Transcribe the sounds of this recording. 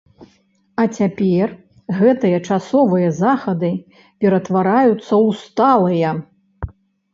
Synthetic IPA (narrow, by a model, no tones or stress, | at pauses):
ɐt͡sʲapʲɛr | ɣɛt̪ɨjɐt͡ʂasɔvɨjɐzaxɐd̪ɨ | pʲɛɾɐt̪vaɾajut̪sːɐwst̪alˠɨjɐ